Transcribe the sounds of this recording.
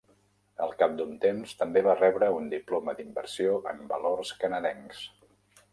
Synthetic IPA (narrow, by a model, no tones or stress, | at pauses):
əlˠkap̚d̪unt̪emst̪əmbeβarɛβɾəund̪iploməd̪imbəɾsioʔəmbəlorskənəðɛŋs